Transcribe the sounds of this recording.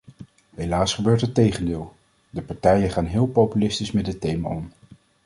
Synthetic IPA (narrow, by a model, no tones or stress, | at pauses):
ɦejlaːsχəbøːɹtətejχəndɪːlˠ | dəpɑɹtɛjənχaːnɦɪːlˠpowpylɪstismɛd̚dətejma̰ɔm